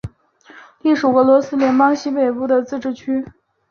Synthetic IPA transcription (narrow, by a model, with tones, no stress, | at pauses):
li˥˩ʂu˨˩ɤ˧˥lwɔ˧˥sɹ̩˥ljɛ˧˥npɑ˥ŋɕi˥pe˨˩ɪpu˥˩d̪ə˨t͡sɹ̩˥˧ʈ͡ʂɻ̩˥˩t͡ɕʰy˥